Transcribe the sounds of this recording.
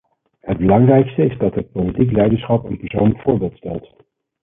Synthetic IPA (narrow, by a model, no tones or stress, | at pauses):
həd̚bəlɑŋrɛjkstəɪzdɑtɦət̚powlitiklɛjdəsχɑpənpɛɹsownləkfʊːɹbɪːlˠtstɛ̰lˠt